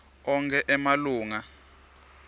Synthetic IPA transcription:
ɔŋkʰɛʔɛmaluːŋa

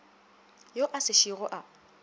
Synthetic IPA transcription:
joʔasɪʃiɣʊʔa

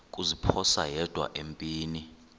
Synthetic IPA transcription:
kʼuzipʰɔsa̰jɛd̥ʱwa̰ʔempʼiːni

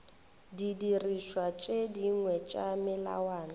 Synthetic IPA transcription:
didiriʃwat͡ʃʼediŋwɛt͡ʃʼamɪla̰waːna

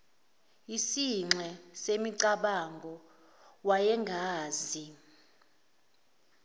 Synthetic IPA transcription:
isiŋ͡ǁɛsemiǀaɓaŋɡʱɔ | wajɛŋɡʱaːzi

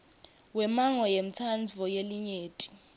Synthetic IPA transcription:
wɛmaŋɔjem̩t͡sʰand͡zʱɔjeliɲeːtʼi̥

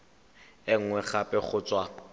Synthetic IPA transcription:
ɪŋ̩ŋwɛχapʼɪχʊt͡swa

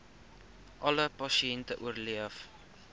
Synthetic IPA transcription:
ʔɐləpɐsiɛntəʔuərliəf

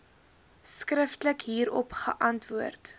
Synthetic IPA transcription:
skrəftələkɦiːɾɔ̰pχə̰ʔɐntvuərt

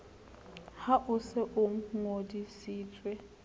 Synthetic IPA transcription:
haʔʊsɛʔʊm̩ŋodisiːtʼwe

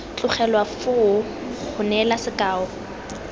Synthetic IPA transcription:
t͡ɬʼʊχɛlwafʊʊ | χʊnɛlasɪkʼaːɔ

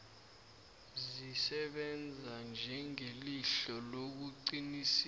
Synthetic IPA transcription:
zzisɛɓɛnd͡zʱand͡ʒʱɛŋeliɬɔlok̬uǀinis

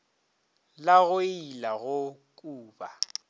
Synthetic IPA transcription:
laɣʊilaɣʊkʼuːba

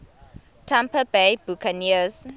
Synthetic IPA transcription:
tʰãmpəbebukʰəniəz

